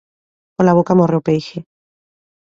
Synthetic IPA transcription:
kolaβokamorewpejxe

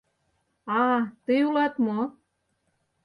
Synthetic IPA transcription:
ɑt̪ɨjulɑt̪mo

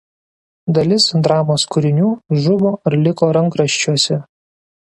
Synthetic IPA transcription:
d̪ɐlʲɪsd̪ɾɑːmoːskʊɾʲɪnʲuːʒʊboːɪɾlʲɪkoːɾɐŋkɾɐʃʲt͡ʃʲuɔsʲɛ

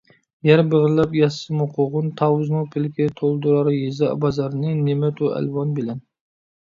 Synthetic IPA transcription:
jɛɾbəʁɨlˠɑpjɑsɨmʊqʰoʁʊnt̪ʰɑwznɨŋpʰɪlkʲɪt̪ʰolˠd̪uɾɑɾjezɑ̰bɑzɑɾnɨnemɛt̪ʰuæ̰lwɑnbɪlɛn

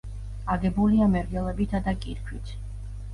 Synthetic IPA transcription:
aɡɛbuliamɛɾɡɛlˠɛbit̪ʰad̪akʼiɾkʰwit̪ʰ

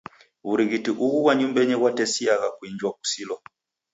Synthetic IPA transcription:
βuɾiɣitiʔuɣuwaɲumbɛɲɛɣwatɛsiaɣakwiɲd͡ʒwaku̥silɔ

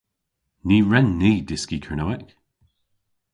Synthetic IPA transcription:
niːɹɛnːiːdɪskikʰəɹnowɛk

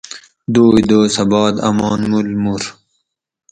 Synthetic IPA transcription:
d̪oːjd̪oːsɐbɑːd̪ɐ̰mɑːnmulmuɾ

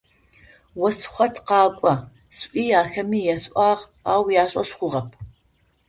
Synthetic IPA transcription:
wɐsχʷɐtʰqɑːkʷʼɐ | sʔʷiːaːxɐmiːjɛsʔʷʼɑːʁ | a̰ːwjaːɕʼɐ̰ɕχʷʊʁɐp̚ʰ

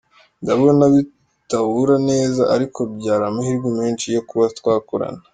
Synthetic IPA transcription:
ndaβonaβi | taβuɾane̞ːzaʔaɾikʰo̞b̚ɟaːɾamohiɾɡimeːnt͡ʃijokuβatwaːkuɾa̰na

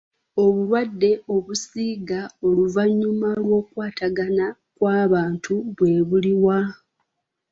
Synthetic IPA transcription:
o̞βuɾwadːe̞o̞βusiːɡao̞luvaɲːumalwo̞ːkwaːtʰaɡana | kwaːβaːntʰuβwe̞ːβuliwa

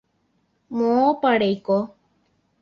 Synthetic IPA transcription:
mõopaɽejko

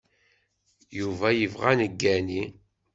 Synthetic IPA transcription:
juvæjəvʁanəɡːæni

